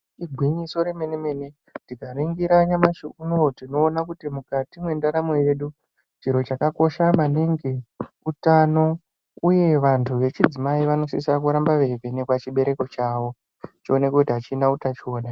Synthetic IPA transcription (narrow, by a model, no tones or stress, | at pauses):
iɡʱwiɲiso̞ɾe̞meneme̞ne | ndikariŋɡiɾaɲamaʃuunotino̞ːnakutimukatimwe̞ndaɾamo̞je̞ɗu | t͡ʃiɾo̞t͡ʃakako̞ʃamaneŋɡe | utano̞ | uje̞ʋantʰuʋe̞t͡ʃid͡zimaiʋano̞sisak̬uɾambaʋe̞venekwat͡ʃiɓe̞ɾe̞ko̞t͡ʃaːʋo̞ | t͡ʃione̞kekutiɦat͡ʃinautat͡ʃio̞ːna